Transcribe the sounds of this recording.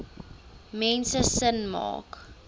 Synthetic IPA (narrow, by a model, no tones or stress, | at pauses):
mɛnsəsənmɑ̰ːk